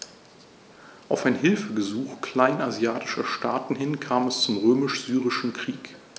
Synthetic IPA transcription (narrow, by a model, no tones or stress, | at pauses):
ʔaʊfaɪnɦɪlfəbəzuːxkʰl̥aɪnazjaːtɪ̥ʃɐʃtaːtn̩hɦɪnkʰaːmɛst͡sʊmʁøːmɪʃz̥yːʁɪʃn̩kʁ̥iːk